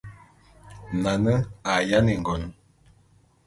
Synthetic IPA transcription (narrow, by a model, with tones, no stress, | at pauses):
na˨nə˦a˨ja˦ni˨ŋ˨ɡɔ˨n˦